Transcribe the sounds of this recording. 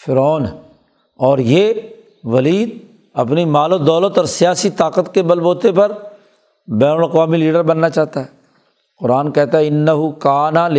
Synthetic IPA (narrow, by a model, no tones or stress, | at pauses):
fɪɾɔːn | ɔːɾje | ʋɐliːd̪ | ɐpnimaːlod̪ɔːlət̪ɔːɾsɪjaːsit̪aːqət̪kebɐlboːt̪epɐɾ | bɛːnəlɐqʋaːmiliːɖəɾbɐnːat͡ʃaːɦt̪aɦɛː | qʊɾaːnkɛɦt̪aɦɛɪnːəɦʊkaːnal